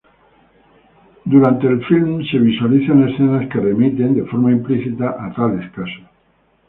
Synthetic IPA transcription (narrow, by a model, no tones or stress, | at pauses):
d̪uɾant̪e̞ːlfilmse̞β̞iswaliθanesθenaskere̞mit̪e̞nd̪e̞fo̞ɾmaimpliθit̪aʔat̪aleskaso